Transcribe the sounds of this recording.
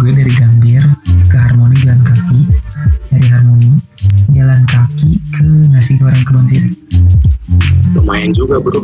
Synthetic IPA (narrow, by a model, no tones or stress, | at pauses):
ɡuɛdaɾiɡambɪrkəɦarmonid͡ʒalankakidaɾiɦarmoni | jalankakikʰənasipioɾaŋkəmənt̪ir | bəmaɛnd͡ʒuɡabəɾu